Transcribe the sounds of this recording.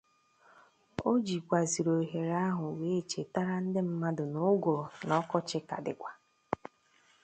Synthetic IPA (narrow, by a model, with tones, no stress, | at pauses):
o˦d͡ʒi˨kʷa˨zi˨ɾo˨ɦe˨ɾa˦ɦʊ˨we˦˨t͡ʃe˨ta˦ɾa˦n̩˦dɪ˦m̩˦ma˦dʊ˨nʊ˦ɡo˨nɔ˦kɔ˦t͡ʃɪ˦ka̰˨dɪ̰˨kʷa˨